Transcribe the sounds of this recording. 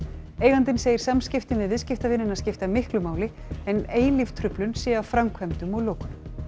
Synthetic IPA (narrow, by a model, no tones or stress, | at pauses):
eːjɣant̪ɪnseːjɪɾ̥samscɪft̪ɪnvɪðvɪðscɪft̪avɪnːɪnaðscɪft̪amɪhklʏmaːwlɪ | ɛneːjlɪft̪ʰɾʏplʏnsjɛːafɾamkʰvɛmt̪ʏmɔɣloːwkʏm